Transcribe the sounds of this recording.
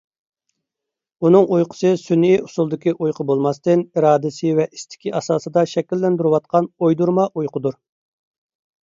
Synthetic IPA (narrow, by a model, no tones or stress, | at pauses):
unɨŋʔujqʰʊ̥sɨsyniusulˠd̪ɪkʲiʔujqʰəbolˠmɑst̪ɨniɾɑːd̪ɪsɪvɛʔist̪ʰɪ̥kʲiʔɑsɑːsɨd̪ɑʃɛkʲilːɛnd̪yɾɪwɑt̪̚qʰɑnojd̪uɾmɑʔujqʰʊd̪uɾ